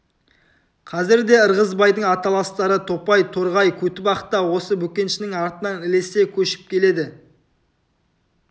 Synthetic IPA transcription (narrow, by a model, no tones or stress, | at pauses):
qʰɑzɪɾd̪e̞əɾʁəzbɑjd̪əɴɑt̪ɑlˠɑst̪ɑɾət̪ʰo̞pɑjt̪ʰoɾʁɑjkʲʰɵt̪ɪbɑqə̥t̪ːɑwo̞səbɵkʲe̞nʃɪnɪŋɑɾt̪ənɑnɪle̞se̞kʲʰɵʃɪ̥p̚kʲʰe̞le̞d̪ɪ